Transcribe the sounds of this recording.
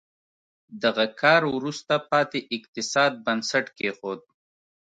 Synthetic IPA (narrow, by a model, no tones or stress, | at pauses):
d̪aɣakʰɑːɾwɾust̪apɑt̪eʔɪqt̪ɪsɑːd̪̚bansaʈkexod̪̚